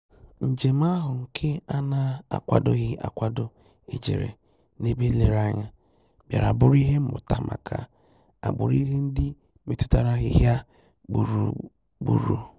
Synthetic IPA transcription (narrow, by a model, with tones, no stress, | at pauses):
n̩˨d͡ʒe˨m̩˦a˦ɦʊ˨ŋ̩˨kʰe˦a˦na˦a̰˨kʷa̰˨dʊ˦ɣɪ˦ʔa̰˨kʷa˨dʊ˦ | e˨d͡ʒḛ˨ɾḛ˨ | ne˦be˦le˨ɾa˦ɲa˦ | bja̰˨ɾa˨bʊ˦ɾi˦ɦe˦m̩˦mʊ̰˨ta˦ma̰˨kʰa̰˨ | a̰˨ɡ͡bʊ̰˨ɾi˦ɦe˦n̩˦dɪ˦ | me˦˨tu̥˦ta˨ɾa˦ɦɪ˨ɦja˦ | ɡ͡bu˨ɾu˨ | ɡ͡bṵ˨ɾṵ˦